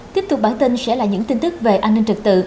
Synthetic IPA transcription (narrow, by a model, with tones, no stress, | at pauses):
t̪i˦˥əp̚t̪ʊ˨˩k͡p̚ɓaː˧˩nt̪i˧nsɛ̰˧˥laː˨˩ɲɨ̰˧˥ŋt̪i˧nt̪ɨ˦˥k̚ve˨˩ʔaː˧nːï˧ŋ̟t͡ɕɨ˨˩k̚t̪ɨ̰˧˨